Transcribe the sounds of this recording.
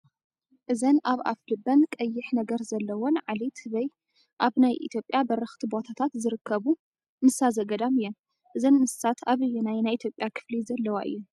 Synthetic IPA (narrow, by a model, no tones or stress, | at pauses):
ʔɨzɐnaβa̰flɨbɐnkʼɐjːɪħnɐɡɐɾzɐlːɐwonʕalit̪ʰɨβɐj | ʔaβnajʔḭt̪ʰjo̞pʼjabɐɾɐxt̪ʰibot̪ʰat̪ʰat̪zɨɾɨkʰːɐβu | mɨsazɐɡɐd̪amɨjːɛn | ʔɨzɐnmɨssat̪ʰaβɨjːunajnajʔit̪ʰjopʼjakʰɨ̥flizɐlːɐwa̰ʔɨ̰jːu